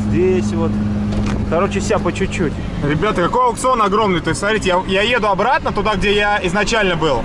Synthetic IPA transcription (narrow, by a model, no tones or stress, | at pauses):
zʲdʲesʲvo̞t̪t̪ɐɾot͡ɕɪsʲapət͡ɕʊt͡ɕːotʲɪ | ɾʲɪbʲat̪əkɐkojɐwkt̪sɨo̞nɐɡɾo̞mnɨjt̪o̞ɪsʲsmɐt̪ɾʲitʲɪjajaje̞d̪ʊɐbɾat̪̚nət̪ʊd̪aɡdʲejaɪznɐt͡ɕælʲnəbɨlˠ